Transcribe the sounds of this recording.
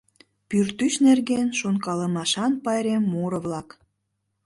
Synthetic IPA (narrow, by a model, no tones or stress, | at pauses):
pyrt̪yɕnerɣenʃonkɑləmɑʃɑnpɑjɾemːoɾəβlɑk